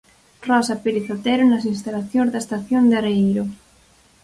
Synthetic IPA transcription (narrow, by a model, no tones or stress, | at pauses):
rɔsapeɾiθot̪ɛɾonasinst̪alaθjõnzðaest̪aθjond̪aɾeejɾo